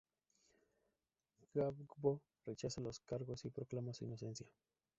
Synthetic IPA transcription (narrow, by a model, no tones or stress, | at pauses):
ɡ̥abɡbo | ret͡ʃasalo̞skaɾɣosipɾoklamasuḭno̞se̞nsja